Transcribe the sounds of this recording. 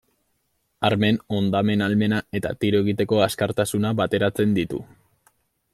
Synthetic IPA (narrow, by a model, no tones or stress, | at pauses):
aɾme̞no̞nd̪ame̞nalme̞nae̞t̪a̰t̪iɾoe̞ɣ̞it̪e̞ko̞askaɾt̪asunaβat̪e̞ɾat͡se̞nd̪it̪ṵ